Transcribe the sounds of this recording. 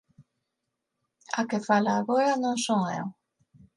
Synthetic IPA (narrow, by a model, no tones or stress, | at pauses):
a̰kefalaːɣoɾanõŋsoŋḛw